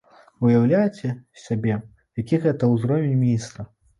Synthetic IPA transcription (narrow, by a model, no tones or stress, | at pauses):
ujawlʲajt͡sʲɛsʲabʲɛ | jakʲiɣɛt̪ɐwzɾɔvʲenʲmʲinʲist̪ɐ